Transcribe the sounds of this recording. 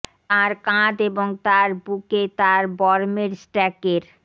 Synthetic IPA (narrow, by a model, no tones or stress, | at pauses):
t̪aɾkãd̪eboŋt̪aɾbuket̪aɾbɔɾmeɾsʈɛkeɾ